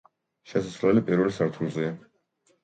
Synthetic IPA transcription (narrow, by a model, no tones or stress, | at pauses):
ʃɛsasvlɛlipʼiɾvɛlsaɾt̪ʰulˠzia